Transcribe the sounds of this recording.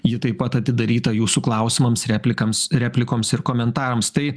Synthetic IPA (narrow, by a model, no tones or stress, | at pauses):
jɪt̪ɐɪpɐt̪ɐt̪ʲɪd̪ɐɾʲiːt̪ɐjuːsuklˠɐˑʊsʲɪmɐmsɾʲæːpʲlʲɪkɐmsɾʲæːpʲlʲɪkoːmsɪrkoːmʲɛnt̪ɑːɾɐmst̪ɐɪ